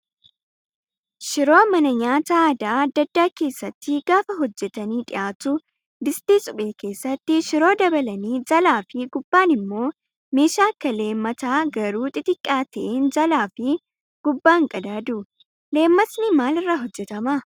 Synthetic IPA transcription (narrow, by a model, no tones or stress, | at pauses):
ʃɪɾo̞ːmɐnɐɲaːt̪aːd̪aːɐd̪ːɐd̪ːaːke̞ːsːɐt̪ːɪɡ̥aːfɐɦɔd͡ʒːɛt̪ɐniːᶑʼɪʔaːt̪ʊ | bɪst̪iːsʼʊɓe̞ːke̞ːsːɐt̪ːɪʃɪɾo̞ːd̪ɐbɐlɐniːd͡ʒɐlaːfɪɡʊbːaːnɪmːo̞ː | me̞ːʃaːkːɐle̞ːmːɐt̪aːɡɐɾuːt̪ʼɪt̪ʼɪkʼːaːt̪ɐʔeːnd͡ʒɐlaːfɪ | ɡ̥ʊbːaːŋkʼɐd̪aːd̪ʊ | le̞ːmːɐsnɪmaːlɪrːaɦɔd͡ʒːɛt̪ɐmɐ